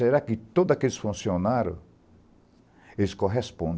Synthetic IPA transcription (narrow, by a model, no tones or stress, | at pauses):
eɾakɪt̪od̪ʊakelɪsfũsionaɾʊ̰ | elɪskoɦespõnd̪